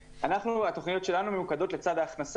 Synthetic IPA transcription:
anaχnuat̪o̞χnijo̞t̪ʃe̞lanumemukad̪o̞t̪let͡sad̪aːχnas

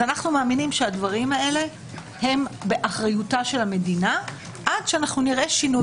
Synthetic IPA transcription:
anaχnumaːminimʃeadvaʁimae̞le̞ | he̞mbe̞ʔaχʁajutaʃe̞lame̞dina | ʔad̥ʃeanaχnuniʁʔe̞ʃinu

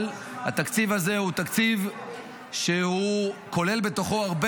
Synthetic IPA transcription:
l | ha̰t̪akt͡sivaze̞hut̪akt͡siv | ʃeuko̞le̞lbe̞t̪o̞χo̞aʁb

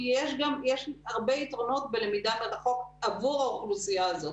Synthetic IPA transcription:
jeʃɡamjeʃaʁbeit̪ʁono̞t̪̚belemid̪atalaχo̞kavuʁauχlusijaːzo

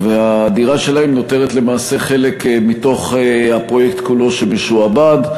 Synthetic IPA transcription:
veadiʁaʃe̞laemno̞te̞ʁet̪le̞maːse̞χe̞le̞kmito̞χehapʁo̞jekt̪kulo̞ʃebeʃuabad

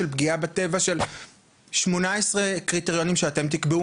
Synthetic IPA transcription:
elpɡiabat̪e̞vaʃe̞l | ʃmo̞naesʁekʁit̪eʁjo̞nimʃeat̪e̞mt̪̬ikbeu

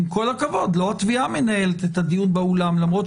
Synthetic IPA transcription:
mko̞lakavo̞d̪lo̞at̪viame̞nae̞let̪et̪had̪ijunbeulamlamʁo̞t̪

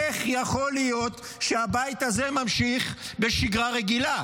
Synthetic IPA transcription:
eχjaχo̞lijo̞t̪ | ʃeabait̪azemamʃiχbeʃiɡʁaʁeɡila

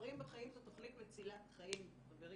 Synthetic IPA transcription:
ʁimbeχaimtat̪oχnit̪vet͡silatχaim | χabeʁ

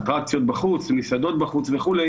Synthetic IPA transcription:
t̪ʁak̚t͡sijo̞t̪̚baχut͡smisad̪o̞t̪̚baχut͡sveχule

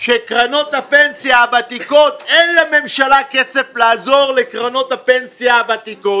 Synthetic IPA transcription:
ʃekʁano̞t̪apensjabat̪iko̞t̪enlame̞mʃalakeseflaːzo̞ʁlekʁano̞tapensjabat̪ikot

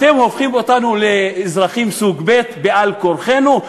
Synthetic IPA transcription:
t̪e̞mho̞fχimo̞t̪anuleːzʁaχimsuɡbe̞t̪bealkoɾχe̞nu

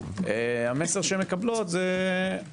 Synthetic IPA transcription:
eameseʁʃeemekablot̪ze

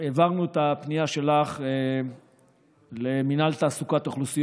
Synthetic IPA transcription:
evaʁnuet̪apniaʃe̞laχe | leminalt̪aːsukat̪oχlusij

